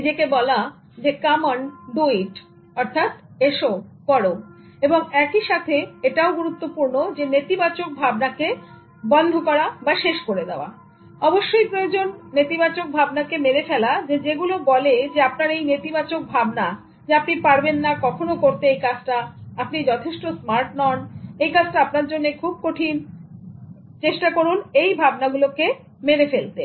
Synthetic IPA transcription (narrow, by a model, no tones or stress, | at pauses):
id͡ʑekebɔla | d͡ʑekamanɖuiʈ | ɔɾt̪ʰat̪eʃopɔɽo | eboŋɛkiʃat̪ʰeeʈaoɡuɾut̪ːopuɾnod͡ʑenet̪ibat͡ɕok̚bʱabnake | bɔnd̪ʱokɔɾabaʃeʃkoɾed̪eoa̰ | ɔboʃːojpɾojod͡ʑonːet̪ibat͡ɕok̚bʱabnakemeɾefɛlad͡ʑed͡ʑeɡulobɔled͡ʑeapnaɾejnet̪ibat͡ɕok̚bʱabna | d͡ʑeapnipaɾbenːakɔkʰonokoɾt̪eejkat͡ɕʈaapnid͡ʑɔt̪ʰeʃʈosmaɾʈnɔnejkat͡ɕʈaapnaɾd͡ʑonːekʰub̚koʈʰin | t͡ɕeʃʈakoɾunejbʱabnaɡuloke | meɾefelt̪e